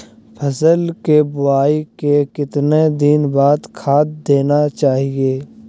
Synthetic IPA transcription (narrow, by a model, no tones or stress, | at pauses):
pʰɐsəlkebʊaːikekɪt̪ned̪ɪnbaːd̪kʰaːt̪̚d̪eːnat͡ʃaːɦijeː